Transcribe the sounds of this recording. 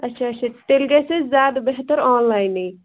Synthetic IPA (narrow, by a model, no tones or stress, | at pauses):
ɐtːʃʰaɐtːt͡ʃʰat̪elɡesezaːd̪beɦt̪əɾɔːnlaːɪnej